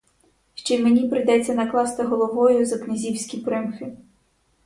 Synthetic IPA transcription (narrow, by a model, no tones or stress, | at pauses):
ʃt͡ʃɛjmenʲipɾɪjd̪ɛt͡sʲːɐnɐklˠɑst̪ɪɦɔlˠɔɦɔjʊzɐknʲɪzʲiwsʲkʲipɾɪmxɪ